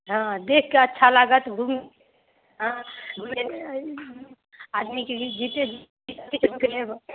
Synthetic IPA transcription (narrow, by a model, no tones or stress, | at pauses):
ɦãd̪ekʰkeətːʃʰalaɡət̪ɡʱum | ɦãɡʱume | ad̪miked͡ʒit̪ed͡ʒʱ | isat̪ʰit͡ʃkleb